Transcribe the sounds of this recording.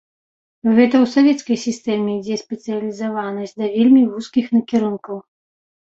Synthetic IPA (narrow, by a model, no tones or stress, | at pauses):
ɣɛt̪ɐwsavʲɛt̪skɐjsʲist̪ɛmʲeid͡zʲɛspʲɛt̪sɨjɐlʲizavanɐsʲd̪ɐvʲelʲmʲivuskʲixnɐkʲiɾunkɐw